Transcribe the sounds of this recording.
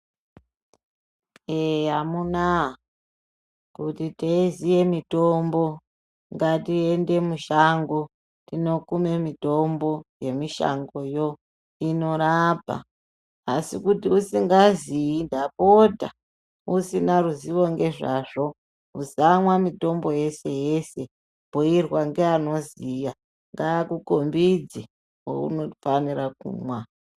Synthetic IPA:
eɦamuna | kutiteizije̞mito̞mbo̞ | ŋɡatie̞nde̞muʃaŋɡo | tino̞kume̞mito̞mbo̞je̞miʃa̰ŋɡo̞jo̞ | ino̞ɾapa̰ː | sikutiusiŋɡaziindapota̰ | usinaruziʋo̞ŋɡe̞ʐaʐo̞ | uzamwamito̞mbo̞je̞se̞je̞se̞ | poirwaŋɡeano̞zija | ŋɡaːkukombid͡zi | wo̰ṵnofanirak̚ṵːmwa

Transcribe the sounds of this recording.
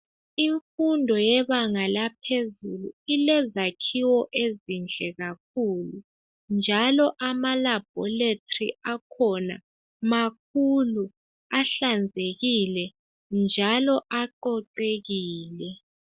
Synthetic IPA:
iɱfundʱɔjɛβaŋalapʰezulṵilɛzakʰiwɔʔezind͡ɮʱɛɣak̚ʰuːlu | nd͡ʒʱalɔʔamalab̥ʱɔletʰʼrḭakʰɔna̰ | mak̚ʰulu | aɬand͡zʱeɣilɛ | nd͡ʒʱalɔʔaǃɔǃeɣiːlɛ

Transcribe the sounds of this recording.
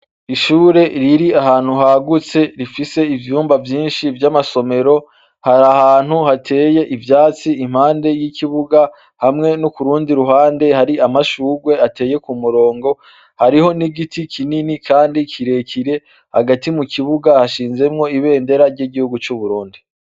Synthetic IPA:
iʃuːɾe̞ɾiɾiaɦaːn̥huɦaɡut͡se̞ɾifise̞ivjuːmbavjiːnʃivjamaso̞me̞ɾo̞ | haɾahaːn̥huhatʰe̞ːje̞ʔivjaːt͡siim̥haːnde̞jikʰiβuɡa | hamŋe̞nukuɾuːndiɾuɦaːnde̞haɾiamaʃuːɡwe̞ate̞ːje̞kumuɾo̞ːŋɡo̞ | haɾiho̞niɡitikʰininikʰaːndikʰiɾe̞cʰiɾe̞ | haɡatimukiβuɡahaʃiːnze̞mŋo̞iβe̞ːnde̞ɾaɾɟiɡihuɡut͡ʃuβuɾuːndi

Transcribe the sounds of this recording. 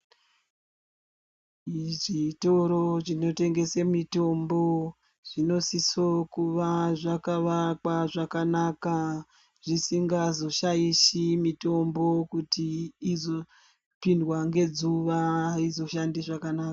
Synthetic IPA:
ʐito̞ɾo̞t͡ʃino̞te̞ŋɡe̞semito̞mbo̞ | ʐ̥ino̞sisokuʋaʐakaʋakwaʐakanaka | ʐ̥isiŋɡazo̞ʃajisimito̞mbo̞kutiːzo̞ | pindwaŋɡe̞d͡zuʋaizo̞ʃandiʐakanaːka

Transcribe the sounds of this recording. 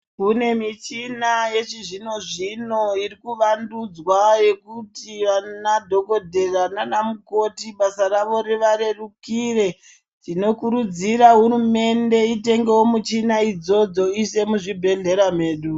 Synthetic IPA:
kune̞mit͡ʃinaje̞t͡ʃiʐino̞ʐino̞iɾikuʋandud͡zwaje̞kutiʋanadʱoko̞dʱe̞rananamuko̞tiɓasaraʋo̞ɾeʋaɾe̞rukire̞ | tino̞kuɾud͡ziɾaɦurume̞nde̞ite̞ŋɡe̞wo̞mut͡ʃinaid͡zo̞d͡zo̞ise̞muʐibʱe̞ɮe̞ɾam̤e̞ːɗu

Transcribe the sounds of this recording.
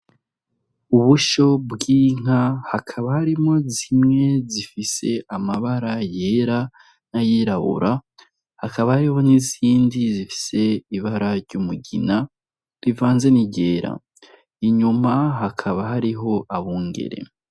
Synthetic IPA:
uβuʃo̞bɡiːŋ̥ahakʰaβahaɾimo̞zimŋe̞zifise̞ʔamaβaɾajeɾa | najiɾaβṵɾa | hakaβahaɾiho̞niziːndizifi̥se̞iβaɾaɾɟomuɟḭna | ɾivaːnze̞niɟe̞ːɾa̰ | iɲumaɦakʰaβaɦaɾiɦo̞ʔaβuːŋɡe̞̰ɾe̞̰

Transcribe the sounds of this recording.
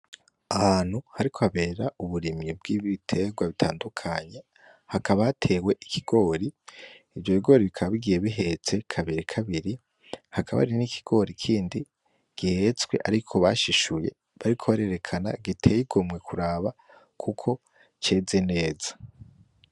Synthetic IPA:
ahaːn̥huhaɾikʰohaβe̞ːɾauβuɾimɲib̚ɡiːβiitʰe̞ɡwaβitʰa̰ːndukʰaɲe | hakaβaatʰe̞we̞ʔikʰiɡ̥o̞ːɾi | ivjo̞βiɡo̞ːɾiβikʰaβaβiɡije̞βiɦe̞t͡se̞kʰaβiɾikʰaβiɾi | hakaβa̰ɾinikʰi̥ɡ̥o̞ɾikʰiːndi | ɡ̥ihe̞t͡swe̞̰ʔa̰ɾikʰo̞βa̰ʃiʃuje̞̰ | βaɾikʰo̞βaɾe̞ɾe̞kʰana̰ɡitʰe̞jiɡomwe̞kʰuɾaːβa | kʰukʰo̞ | t͡ʃe̞ːze̞ne̞ːzḁ

